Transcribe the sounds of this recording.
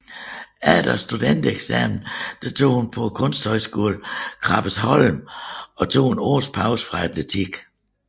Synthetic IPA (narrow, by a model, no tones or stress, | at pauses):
æd̥ɐsd̥ud̥end̥əeɡ̥sæ̰mn̩d̥æt͡sʰo̝̰ːhunpʰɒ̽kʰɔ̽nsd̥hɒ̽ɪsɡ̥o̝̰ːlkʰʁɑ̈b̥əshɒ̽lmɒ̽t͡sʰo̝̰ːhuno̰ːspʰɑ̈ʊsə̥fʁɑ̈æd̥let͡sʰiɡ̥